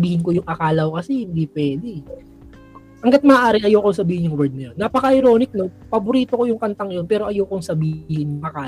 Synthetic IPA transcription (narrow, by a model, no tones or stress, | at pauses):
biːhɪnko̞jʊŋʔɐkaːlɐwokɐsɛhɪnd̪iːpwɛːd̪ɛ | ʔɐŋɡat̪̚mɐːʔaːɾɪʔɐjoːkoŋsɐbiːhɪnjʊŋwɛɹd̪̚nɐjo̞nːɐpɐkɐʔɐjɾo̞ːnɪk̚no̞pɐboɾiːt̪oko̞jʊŋkɐnt̪ɐŋjonpɛːɾo̞ʔɐjoːkoŋsɐbihɪnjʊŋʔɐkaː